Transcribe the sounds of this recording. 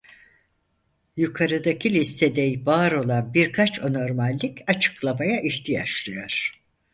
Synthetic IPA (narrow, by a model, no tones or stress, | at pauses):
jukʰaɾɯd̪acʰilʲist̪ʰed̪ejbaːɾo̞lˠanbiɾkʰat͡ʃʰo̞no̞ɾmalʲːicat͡ʃʰɯ̥klˠamajaʔiçt̪ʰija̰t͡ʃlˠɯjo̞ɾ̥